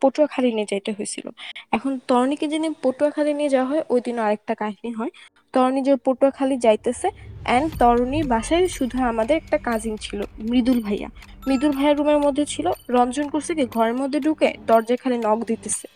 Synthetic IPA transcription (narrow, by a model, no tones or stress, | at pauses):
poʈuakʰalinied͡ʑajt̪eɦojt͡ɕʰḭlo̰ɛkʰont̪ɔɾoniked͡ʑinipoʈuakʰalinied͡ʑawaɦɔeʔojd̪inoaɾɛk̚ʈakaɦiniɦɔe | t̪ɔɾonid͡ʑepoʈuakʰalid͡ʑajt̪eseɛnt̪ɔɾniɾbaʃaeʃud̪ʱuamad̪eɾɛk̚ʈakãd͡ʑint͡ɕʰilomɾid̪ulbʱaja̰ | mɾid̪ulbʱajaɾːumeɾmod̪ʱːet͡ɕʰiloɾɔnd͡ʑonkoɾsʰekeɡʱɔɾeɾmod̪ʱːeɖʱukḛd̪ɔɾd͡ʑakʰalinɔɡd̪it̪esʰe̥